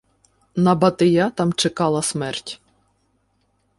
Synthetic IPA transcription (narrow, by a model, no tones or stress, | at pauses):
nɐbɐt̪ɪjat̪ɑmt͡ʃɪkɑlˠɐsmɛrtʲ